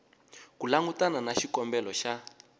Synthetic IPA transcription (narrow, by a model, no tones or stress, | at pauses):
kulaŋɡutananaʃikɔmbɛlɔʃa